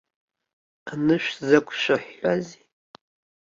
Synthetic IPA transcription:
anɨʃʷᶣzakʷʼʰʃʷaħʷːazi

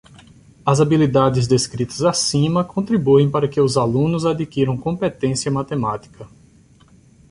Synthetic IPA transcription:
ɐzabilid̪ad͡ʒ̪ɪzd̪eskɾit̪ɐzasĩmɐkõnt̪ɾibuẽj̃paɾɐkɪʊzalũnʊzad̪ikiɾɐ̃w̃kõpet̪ẽsjɐmat̪emat̪i̥kʰɐ

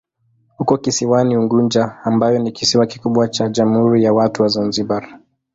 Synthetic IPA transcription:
hukɔkisiwaniuŋɡuɲd͡ʒaːmbajɔnikisiwaki̥kuɓwat͡ʃaʄamhuɾijawatuwazanzibaɾ

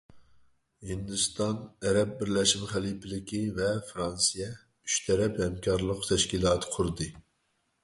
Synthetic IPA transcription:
hind̪ust̪ɑnɛɾɛp̚bɪɾlɛʃimχælˠipʰɪlɪkʲivɛfɾɑnsijɛ | y̥ʃt̪ʰɛɾɛphɛmkʲʰɑɾlˠəqt̪ʰɛʃkʲilˠɑːt̪ʰɨ̥qʰʊɾɨd̪ɨ

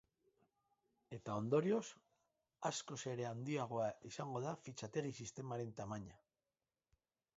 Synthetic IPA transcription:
e̞t̪ao̞nd̪o̞ɾio̞s | asko̞se̞ɾe̞and̪iaɣ̞o̞aisaŋɡo̞ðafit͡ʃat̪e̞risist̪e̞maɾe̞nt̪amaɲa

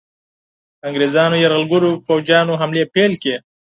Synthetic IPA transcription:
aŋɡɾezɑːnojaɾɣəlɡʊɾofowd͡ʒjɑːnoɦamlepelke

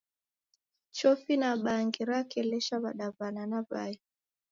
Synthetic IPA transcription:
t͡ʃɔfinaɓaŋɡiɾakɛlɛʃaβaɗavananava̰ja

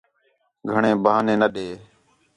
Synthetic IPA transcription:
ɡʱəɳẽːbʱaːnẽːnəɗeː

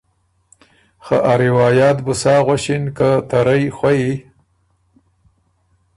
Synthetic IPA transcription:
xaʔaɾɪwɑːjɑt̪bʊsɑːɣwaʃɪnkat̪aɾajxwaji

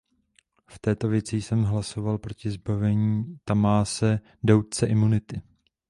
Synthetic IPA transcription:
ft̪ɛːt̪o̞vjɛt͡sɪjsɛmɦlaso̞valpɾo̞cɪzbavɛɲiːt̪amaːsɛ | dowt̪̚t͡sɛʔɪmunɪt̪ɪ

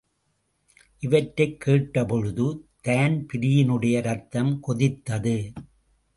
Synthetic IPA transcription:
ʔɪʋɐʈɾɐɪkʰːeːʈːɐpɔɻɯðɯt̪ɐːnpɪɾɪjɪnɯɽɐjɐɾɐt̪ːɐmkɔðɪt̪ːɐðɯ

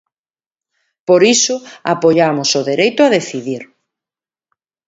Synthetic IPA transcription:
poɾisʊapoʎamʊsʊðeɾejt̪ʊaðeθiðiɾ

